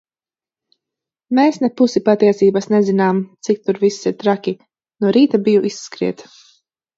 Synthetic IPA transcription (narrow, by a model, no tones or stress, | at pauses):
meːsnɛpusipat̪iɛsiːbasnezinaːmt̪sik̚t̪uɾvisiɾt̪ɾakʲi | nuɾiːt̪abijuʔisːkɾḭɛt̪